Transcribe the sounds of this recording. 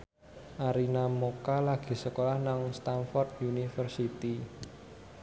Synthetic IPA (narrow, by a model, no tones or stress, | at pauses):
ʔaɾinamokalaɡ̥i̤səkolahnaŋst̪anfɔrt̪̚unifərsit̪i